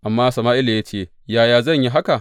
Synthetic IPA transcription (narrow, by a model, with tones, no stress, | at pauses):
ʔa˨mːaː˦sɐ˨maː˦ʔɪ˦la˨ja˦t͡ʃeː˦˨ | jaː˦jaː˦zɐ˦˨ɲji˦ɦa˦ka˨